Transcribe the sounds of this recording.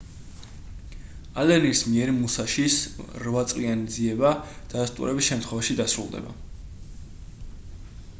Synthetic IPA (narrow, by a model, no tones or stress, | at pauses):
alɛnismiɛɾmusaʃisɾvat̪sʼqʼianid̪ziɛbad̪̥ad̪ast̪ʼṵɾɛbisʃɛmt̪ʰχwɛvaʃid̪asɾṵlˠd̪ɛ̰ba̰